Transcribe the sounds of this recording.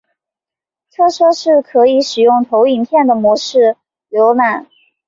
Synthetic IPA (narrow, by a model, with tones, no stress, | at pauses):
t͡sʰɤ˥ʈ͡ʂʰɤ˥ʂɻ̩˥˩kʰɤ˧˥i˧˥ʂɻ̩˨˩jʊ˥˩ŋt̪ʰo˧˥ʊi˨˩npʰjɛ˥˩nd̪ə˩mwɔ˧˥ʂɻ̩˥˩ | ljo˧˥ʊna˨˩˦n